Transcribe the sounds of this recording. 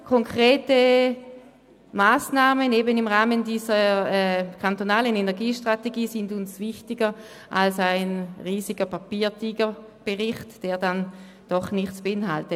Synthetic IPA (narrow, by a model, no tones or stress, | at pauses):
kʰɔŋkʰʁ̥eːtə | maːsnaːməneːbənɪmʁaːməndiːzəɛkʰantonaːlənɛnɛɐɡiːʃtʁ̥ateɡiːsɪndʊnsvɪxtɪɡə | ʔalsaɪnʁiːsiɡɐpʰapiːɐtʰiːɡə | b̥eʁɪχtd̥eːɐdan | d̥ɔχnɪχt͡sb̥eɪnhaltə